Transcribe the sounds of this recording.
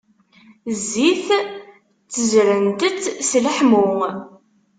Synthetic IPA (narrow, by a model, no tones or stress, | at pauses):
zːiθ | t͡sːəzɾənt̪ət͡sːsləħmʊ